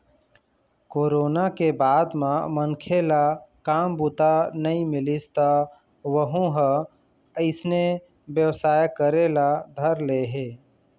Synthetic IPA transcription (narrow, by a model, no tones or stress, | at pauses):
koːɾoːnakebaːd̪mãmənkʰelakaːmbʊt̪anɐɦĩmɪlɪst̪a | ʋəɦõɦə | əɪsne | bjəʋsaːjkəɾelad̪ʱəɾleɦeː